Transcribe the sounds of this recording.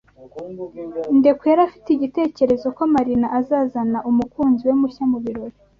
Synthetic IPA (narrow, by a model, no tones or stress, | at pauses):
nde̞kujaɾafi̥tiɟite̞ːce̞ɾe̞zo̞komaɾinaʔazaːzanaʔumukuːnziwe̞muçamuβiɾoɾe